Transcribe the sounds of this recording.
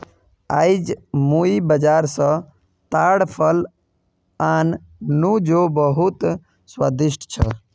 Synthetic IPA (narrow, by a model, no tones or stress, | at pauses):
aːid͡ʒmuibəd͡ʒaːɾsə̃ | t̪aːɽpʰəl | aːnː | ũd͡ʒobəɦut̪ | swad̪ɪʃʈʰt͡ʃʰə